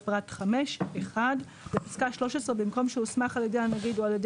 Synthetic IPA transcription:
pʁat̪χameʃeχad | bepi̥skaʃlo̞ʃesʁebimko̞mʃeusmaχaljed̪ejanaɡidualjed

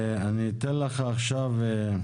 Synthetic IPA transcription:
anit̪enleχaːχʃave

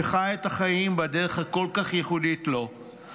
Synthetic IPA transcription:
eχajet̪aχajimbadeʁeχakolkaχjeχuditlo

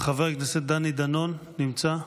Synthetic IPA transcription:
χaveʁknesed̪anid̪anonːimt͡sa

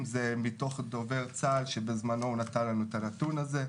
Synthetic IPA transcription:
mzemit̪o̞χd̪o̞ve̞ʁt͡salʃebezmanonat̪anlanuet̪alat̪unaze̞

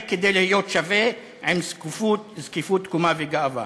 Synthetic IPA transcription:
ked̪ejlihijot̪ʃave | ʕemzkufut̪zkifut̪kumaveɡaava̰

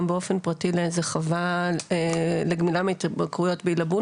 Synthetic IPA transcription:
mbeo̞fe̞npʁɐtileezeχavaeleɡmilametakʁujo̞tbeilabu

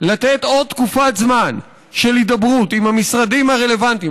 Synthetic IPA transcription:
lat̪et̪o̞d̪̚t̪ːkufat̪zman | ʃelid̪abʁut̪imhamisʁadimhaʁe̞le̞vant̪im

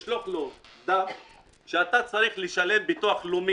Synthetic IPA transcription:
ʃloχlod̪a | ʃeat̪at͡saɾiχliʃale̞mbit̪uaχlum

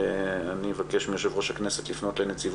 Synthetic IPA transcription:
eanievakeʃmijoʃ̬evʁoʃhakne̞setlifno̞tlenet͡siv

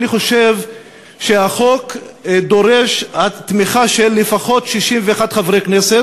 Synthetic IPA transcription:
niχo̞ʃev | ʃehaχo̞kd̪o̞ʁeʃhat̪miχaʃelːefaχo̞t̪ʃiʃimveːχad̪χavʁekneset

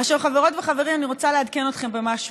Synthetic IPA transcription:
aχʃalχaveʁo̞tveχave̞ʁimaniʁott͡saleadke̞no̞t̪χe̞mbe̞maʃ

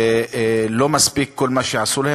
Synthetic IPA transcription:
lomasbikkːʊlːmaʃjaʕsuːlah

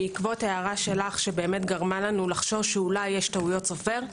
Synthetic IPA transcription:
ikvo̞teaʁaʃe̞laχʃebe̞ːmetɡaʁmalanulaχʃo̞vʃeulajːeʃtaujo̞tt͡sofe̞ʁ

